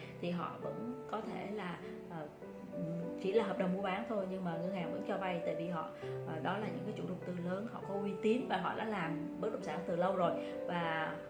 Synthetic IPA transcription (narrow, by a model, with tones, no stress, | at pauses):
t̪ʰi˨˩ɦɔ̰˧˨və̰˧˥nkɔ˨˦t̪ʰe˧˩laː˨˩ | ʔəː˨˩˨ | t͡ɕḭ˧˩laː˨˩ɦəː˨˩p̚ɗə˨˩wŋ͡mmu˧əɓaː˨˦nt̪ʰo˧jɲɨ˧ŋmaː˨˩ŋə˧ŋhaː˨˩ŋvə̰˧˥nt͡ɕɔ˧va˧jt̪a̰ː˧˨vi˨˩ɦɔ̰˧˨˩ɗɔ˨˦laː˨˩ɲɨ̰˧˥ŋkaː˨˦jt͡ɕu˧˩lʊ˨˩k͡p̚t̪ɨ˨˩ləː˨˦nhɔ̰˧˨kɔ˨˦ʔwi˧t̪i˨˦ənvaː˨˩ɦɔ̰˧˨ɗa̰ː˧˥laː˨˩mɓɨ˦˥k̚ɗə̰˧˨ŋ͡msaː˧˩ŋt̪ɨ˨˩lə˧wzo˨˩j | vaː˨˩